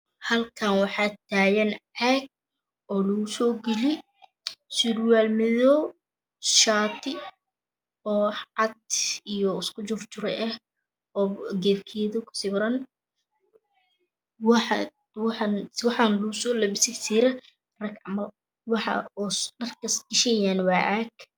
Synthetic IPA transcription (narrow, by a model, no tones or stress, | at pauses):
hɐlkʰanwɑħɑːt̪ʰaːjɛnʕɛɡ̚ | ʔɔːlusɔːɡɛlɪ | sɪrwaːlmɪðɔ | ʃaːt̪ʰɪ | ɔːʕɑd̪ijɔɪskʰʊt͡ʃʊft͡ʃʊɾɛʔɛh | ɔːɡɛbkʰɛːðʊkʰʊ̥sɪβɾɐn | wħnwɑħɑːnluːsɔːlɐβɪsɪsiɾɐ | rɐɡʕɑmɐ | wɑħɑ̰sɖɐrkʰɐsɪʃɛjaːnwɑːʕaːɡ